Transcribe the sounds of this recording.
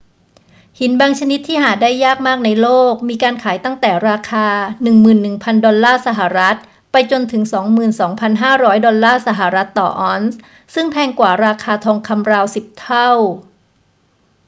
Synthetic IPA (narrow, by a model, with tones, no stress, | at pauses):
hi˩˦nbaː˧ŋt͡ɕʰa˧ni˦˥t̪ʰːiː˥˩ɦaː˨˩daː˥˩jːaː˥˩k̚maː˥˩k̚na˧jloː˥˩k̚miː˧kaː˧nkʰaː˩˦jt̪a˥˩ŋt̪ɛː˨˩ɾaː˧kʰaː˧nɯ˨˩ŋmɯː˨˩nːɯ˨˩ŋpʰa˧ndɔ˧nlaː˥˩sa˧ɦa˨˩ɾa˦˥t̪̚ | pa˧jt͡ɕo˧nt̪ʰɯ˩˦ŋsɔː˩˦ŋmɯː˨˩nsɔː˩˦ŋpʰa˧nɦaː˥˩ɾɔː˦˥jdɔ˧nlaː˥˩sa˧ɦa˨˩ɾa˦˥t̪ːɔ̰ː˨˩ʔɔː˦˥ns | sɯ˥˩ŋpʰɛː˧ŋkwaː˨˩ɾaː˧kʰaː˧t̪ʰɔː˧ŋkʰa˧mɾaː˧wsi˨˩p̚t̪ʰa˥˩w